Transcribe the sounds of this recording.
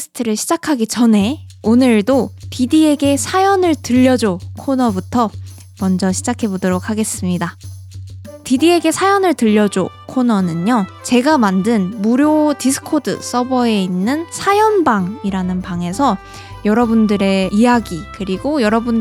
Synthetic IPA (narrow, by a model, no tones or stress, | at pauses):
sʰɯ̥tʰɯɾɯɭɕʰid͡ʑakʰaɡit͡ɕʌne̞ | onɯɭdotidie̞ɡe̞sʰajʌnɯɭtɯʎːʌd͡ʑokʰonʌbutʰʌ | mʌnd͡ʑʌɕʰid͡ʑakʰe̞bodoɾokʰaɡe̞s͈ɯmɲida | tidie̞ɡe̞sʰajʌnɯɭtɯʎːʌd͡ʑokʰonʌnɯnot͡ɕe̞ɡamandɯnmuɾjodisʰɯ̥kʰodɯ̰s͈ʌbʌe̞inːɯnsʰajʌnbaŋiɾanɯnpaŋe̞sʰʌ | jʌɾʌbundɯɾe̞ijaɡikɯɾiɡojʌɾʌbun